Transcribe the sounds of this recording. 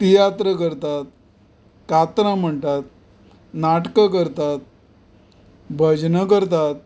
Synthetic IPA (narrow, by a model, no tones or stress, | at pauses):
t̪ijat̪ɾəkəɾt̪at̪̚ | kat̪ɾãm̤əɳt̪at̪̚ | naʈkəkəɾt̪at̪̚ | bʱəd͡ʑnəkəɾt̪at̪̚